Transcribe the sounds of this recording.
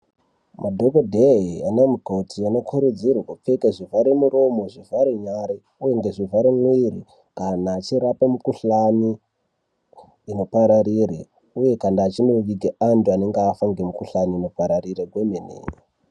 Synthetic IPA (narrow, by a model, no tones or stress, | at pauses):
mʔadʱokodʱeɦianamukotʰiano̞kʰuɾud͡zirwakup͡fekaʐivaɾemuɾo̞mo̞ʐivaɾeɲaɾi | ujeŋɡe̞ʐivaɾemwiri | kanaːt͡ʃiɾapamukuɬani | no̞paɾaɾirḛ | uje̞kandaːt͡ʃino̞ʋiɡeantuane̞ŋɡafaŋɡemukuɬaniːno̞paɾarireɡwemenḛːŋe